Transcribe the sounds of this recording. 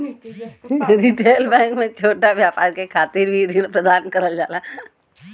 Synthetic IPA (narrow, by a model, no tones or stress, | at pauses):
ɾiʈeːlbɛ̃ːŋkmẽt͡ʃʰoːʈaʋjaːpaːɾkekʰaːt̪iːɾbʱiɾiɽ̃pɾəd̪aːnkəɾəld͡ʒaːla